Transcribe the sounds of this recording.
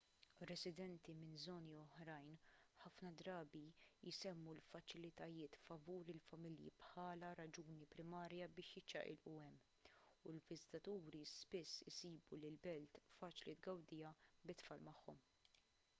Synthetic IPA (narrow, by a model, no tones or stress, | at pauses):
ɾɛsɪd̪ɛnt̪imɪnzɔːniɔħɾɐjnħɐfnɐd̪ɾɐːbijsɛmːulfɐt͡ʃɪlɪt̪ɐjɪːt̪fɐvuːɾɪlfɐmɪljḭpħɐːlɐɾɐd͡ʒuːnipɾɪmɐːɾjɐbɪːʃjɪt͡ʃːɐ̰ʔɪ̰lʔuɛmː | ʊlvɪzɪt̪ɐt̪uːɾispɪsːɪsiːbulɪlbɛlt̪fɐːt͡ʃlid̪ɡɐwd̪ɪjɐbɪt̪fɐlmɐħːɔm